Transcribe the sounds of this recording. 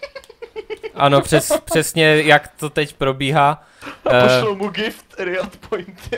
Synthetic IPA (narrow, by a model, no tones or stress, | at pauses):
ʔʔano̞pr̝̥ɛspr̥ɛsɲɛjakt̪ot̪ɛcpɾobiːɦaː | pʃɛlmuɡɪft̪ɾɪat̪pʰojnt̪